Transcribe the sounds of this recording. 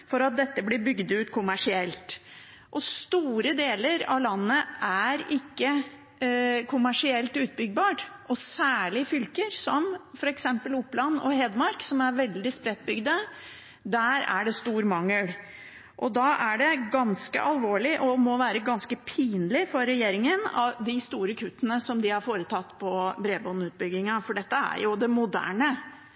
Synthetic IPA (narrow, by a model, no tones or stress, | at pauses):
fɔɾɑt̪̚d̪ɛt̪ːəblɪbʏɡd̪ʉːt̪kʰʊmæʂɪɛlt̪ | ʔɔst̪uːɾəd̪eːləɾɑ̰lɑnːəʔæɾɪkːə | kʰʊmæʂɪɛlt̪ʉːt̪̚bʏɡ̚bɑːʈʔɔsæːɭɪfʏlkəɾsɔmfɔɾɛksɛmpəlʊpːlɑnːɔ̰ɦɛd̪mɑɾksɔmæɾʋɛld̪ɪspɾɛt̪̚ːbʏɡd̪ə | d̪æːɾæ̰ɖɛst̪uːɾmɑŋːəl | ʔɔd̪ɑʔæɖɛɡɑnskə̰ʔɑlʋoːɭɪʔɔmɔʋæːɾəɡɑnskəpʰiːnlɪfɔɾɾɛjeːɾɪŋənɑ̰ʋd̪ɪst̪uːɾəkʰʉt̪ːənəsɔmd̪ɪhɑɾfoːɾət̪ʰɑt̪ːpʰɔbɾeːbɔnʉːt̪̚bʏɡːɪŋɑfɔɖɛt̪ːəæ̰ɾjʊd̪ɛmʊd̪æ̰ːɳə